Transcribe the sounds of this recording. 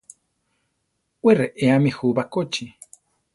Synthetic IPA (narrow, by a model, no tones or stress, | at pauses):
wereʔeamixubakot͡ʃi